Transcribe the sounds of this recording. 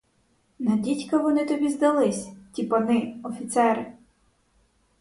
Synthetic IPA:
nɐdʲitʲkɐʋɔnɪt̪ɔbʲizd̪ɐlˠɪsʲtʲipɐnɪɔfʲit̪sɛɾɪ

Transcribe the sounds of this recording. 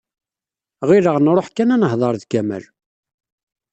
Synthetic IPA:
ʁɪɾəʁnɾˤoħkːænænəɦðˤɑɾˤðkæmə̰l

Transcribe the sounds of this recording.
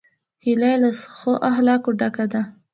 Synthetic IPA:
hilajlasxoʔaɦlɑkoɖakad̪a

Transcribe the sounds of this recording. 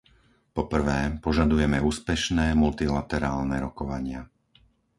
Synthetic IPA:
pɔpr̩ʋɛːpɔʒad̪ujɛmɛuːspɛʃnɛːmult̪ilat̪ɛɾaːlnɛɾɔkɔʋaɲɪa

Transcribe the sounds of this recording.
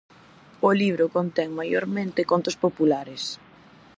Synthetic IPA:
ʊliβ̞ɾokont̪ɛŋmajoɾmẽnt̪ɪkont̪ospopulaɾes

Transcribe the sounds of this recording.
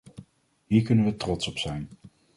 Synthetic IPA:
ɦiːɹkɵnənʋətrɔtsɔpsɛjn

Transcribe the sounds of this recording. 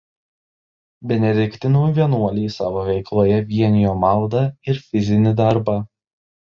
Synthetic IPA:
bʲɛnʲɛd̪ʲɪkʲt̪ʲɪnuːʋʲiɛnuɔlʲiːsɑːʋoːʋʲɛɪklˠoːjɛʋʲiɛnʲɪjoːmɑˑlˠd̪ɑɪɾfʲɪzʲɪnʲɪd̪ɑɾbɐ

